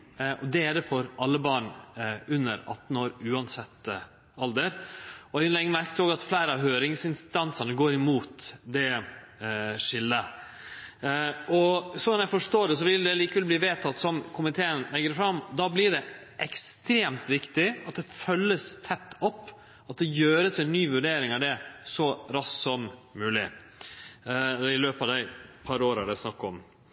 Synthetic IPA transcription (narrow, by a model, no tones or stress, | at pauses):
ɔd̪ɛæd̪ɛfɔɾʔɑlːəbɑːɳʉnːəɾɑ̰t̪n̩oːɾʉːɑnsɛt̪ːə | ɑld̪əɾɔɪlɛŋːəmæɾkət̪oːɡɑt̪flæɪɾəɑɦøːɾɪŋsɪnst̪ɑnsəɳəɡoːɾɪmuːt̪d̪ɛ | ʂɪlːə | ɔsɔnæɪfɔʂt̪oːɖɛs̬ɔʋɪld̪ɛliːkəʋɛlbliːʋeːt̪ʰɑt̪ːsɔmkʰʊmɪt̪ʰeːənlɛɡəɾfɾɑmːd̪ɑblɪɖɛ | ʔɛkst̪ɾeːmt̪ʋɪkt̪ɪɑt̪̚d̪ɛfœlːəst̪ʰɛt̪ːɔpː | ɑt̪̚d̪ɛjøːɾəsɛnːyːʋʉɖeːɾɪŋɑʋd̪ɛsɔɾɑssɔmmʉːlɪ̰ | ɛɪløːpɑʋd̪æɪpʰɑɾoːɾɑ̰ɖ̪æsnɑkːɔm